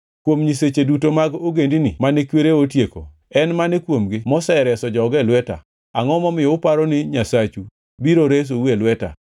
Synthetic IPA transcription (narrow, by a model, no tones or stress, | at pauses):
kwomɲiset͡ʃedutomaɡoɡendinɪmanɛkweɾeotjeko̰ | ɛnmanɛkwomɡɪmɔsɛɾɛsɔd͡ʒɔɡɛlwɛta̰ | aŋɔmɔmɪjɔʊpaɾɔnɪɲasat͡ʃu | biɾoɾes̬owelwɛta̰